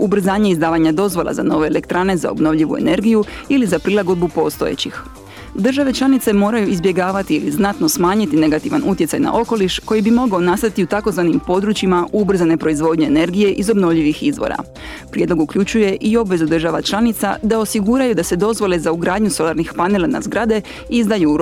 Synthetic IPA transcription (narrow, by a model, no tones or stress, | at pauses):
ubr̩zaːɲe̞izd̪aːʋaɲad̪o̞zʋo̞lˠa̰za̰no̞ʋe̞ːle̞kt̪ɾane̞za̰o̰bno̞ʋʎʲiʋṵe̞̰ne̞ɾɡijuilizapɾilˠaɡo̞d̪̚bupo̞ːst̪o̞jḛt͡ɕix | d̪r̩ʒaʋe̞t͡ʃlˠanit̪se̞mo̞ːɾajuizbje̞ɡaːʋat̪iiliznat̪no̞smaːɲit̪ine̞ɡat̪iʋa̰nut̪jesajna̰ʔo̞ko̞liʃko̞jibimo̞ɡao̞nast̪ait̪iut̪ako̞zʋanimpo̞d̪ɾut͡ɕimaubr̩zane̞pɾo̞izʋo̞d̪ɲue̞ne̞ɾɡije̞ʔizo̞bno̞ʋʎiʋixizʋo̰ɾa̰ | pɾjed̪lo̞ɡukʎut͡ʃuje̞ʔio̞bʋe̞zud̪r̩ʒaʋat͡ʃlˠanit̪sa̰d̪ao̞siɡuːɾajud̪ase̞d̪o̞zʋo̞le̞zauɡɾaːd̪ɲuso̞lˠaɾnixpanelˠana̰zɡɾad̪e̞ | izd̪ajuɾ